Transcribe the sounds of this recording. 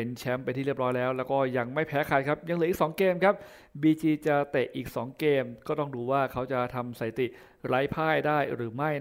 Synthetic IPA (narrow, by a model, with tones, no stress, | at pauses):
e˩˦nt͡ɕʰɛ˦˥mpa˧jt̪ʰiː˩i˥˩ɾɔː˦˥jlɛː˦˥wlɛː˦˥wkɔː˥˩ja˧ŋma˥˩jpʰɛː˦˥kʰaː˨˩t̪̚kʰa˦˥p̚ja˧ŋlɯː˨˦i˨k̚sɔː˩˦ŋkeː˧mkʰa˦˥p̚ | biː˧t͡ɕiː˧t͡ɕa˨˩t̪e˨˩ʔiː˨˩k̚sɔː˩˦ŋkeː˧mkɔː˥˩t̪ɔ˥˩ŋduː˧waː˥˩kʰa˦˥wt͡ɕa˨˩t̪ʰa˧msaː˨˩˦t̪i˨˩ | ɾaː˦˥jpʰaː˥˩jdaː˥˩jɾɯː˩˦ma˥˩j